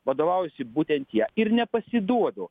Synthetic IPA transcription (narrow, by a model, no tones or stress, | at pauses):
ʋɐd̪oːʋɐʊjsʲɪbuːt̪ʲɛnt̪jiɛɪɾnʲɛpɐsʲɪd̪uɔd̪ʊ